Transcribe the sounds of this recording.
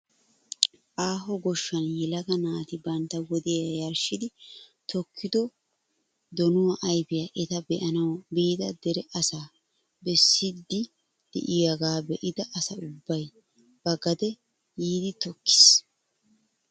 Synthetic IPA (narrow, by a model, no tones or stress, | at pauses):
ʔaːɦɔɡɔʃːɐnjɛlɐɡɐnaːt̪ɪbɐnt̪ːɐwɔd̪ɪjaɐjɐɾʃɪd̪ɪt̪ɔkʰːɪd̪ɔ | d̪ɔnʊwɐʔɐjbɪjaʔɛt̪ɐbɛʔɐnɐwbiːd̪ɐd̪ɛɾɛʔɐsaː | bɛsːɪd̪ːɪ | d̪̥ɛ̰ʔɪjɐɡaːbɛʔɪd̪ɐʔɐsɐʊbːɐj | b̥ɐɡɐd̪ɛ | jiːd̪ɪt̪ɔkːɪ̥s